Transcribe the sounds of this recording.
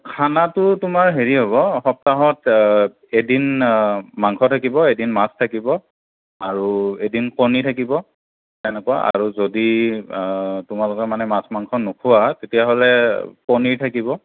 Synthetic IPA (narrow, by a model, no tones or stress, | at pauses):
kʰanatʊtʊmaɹɦeɹiɦoβɔxɔp̚taɦɔt | edin | maŋkʰɔtʰakibɔedinmastʰakibɔ | aɹuedinkonitʰakibɔ | ɛnɛkɔaʔa̰ɹuzodi | tʊmalʊkɛmanɛmasmaŋkʰɔnukʰuwatetijaɦolɛkoniɹtʰakibɔ